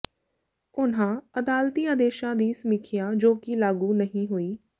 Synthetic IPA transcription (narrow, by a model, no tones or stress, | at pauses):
ʊn̤ãːəd̪aːlt̪iːãːd̪eːʃãːd̪iːsəmɪkʰɪjãːd͡ʒoːkilaːɡuːnəɦĩɦoːiː